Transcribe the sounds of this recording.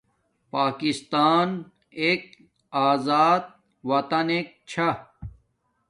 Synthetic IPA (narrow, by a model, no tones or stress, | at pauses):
paːkist̪aːn | eːk̚ | aːzaːd̪̚ | wɐt̪ɐneːk̚t͡ɕʰɐ